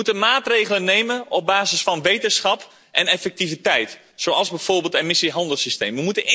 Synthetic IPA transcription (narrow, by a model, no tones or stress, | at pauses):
utənmaːtreːɣələnːeːmənɔp̚baːzəsfɔnʋejtəsxɑp | ʔɛnɛfɛk̚tivitɛjt | soːɑlˠzbɛfoːrbeːlˠtemɪsiɦɑndəlˠsisteːmʋəmutən